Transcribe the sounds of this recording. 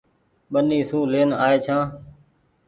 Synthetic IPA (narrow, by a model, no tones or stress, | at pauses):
ɓəniːsũːleːnaːeːt͡ʃʰãː